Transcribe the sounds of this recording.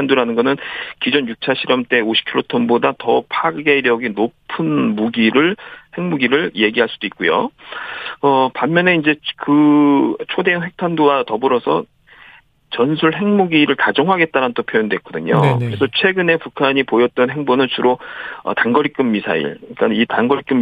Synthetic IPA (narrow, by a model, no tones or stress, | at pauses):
andoɾanɯnɡʌnɯnkid͡ʑonjuk̚t͡ɕʰaɕʰiɾʌmt͈e̞oɕʰi̥kʰiɾotʰʌnbodatʌpʰaɡɯɡe̞ɾjʌɡinopʰɯnmuɡiɾɯɭhe̞ŋmuɡiɾɯɭje̞ɡiɦaɭs͈ud̥oit̚k͈ujo̰ | ʌpamːjʌne̞ind͡ʑe̞kɯt͡ɕʰode̞ɯnwe̞k̚tʰandowatʌbɯɾʌsʰʌ̰ | t͡ɕʌnsʰuɭɦe̞ŋmuɡiɾɯɭtad͡ʑʌŋɦaɡe̞t̚t͈aɾannt͈opʰjojondwe̞k͈ʌdɯɲo̰kɯɾe̞sʰʌt͡ɕʰwe̞ɡɯne̞pukʰaɲipojʌt̚t͈ʌnɦe̞ŋbonɯnsʰuɾoʌ̰taŋɡʌɾik͈ɯmːisʰa̰ḭɭik͈anitaŋɡʌɾik͈ɯm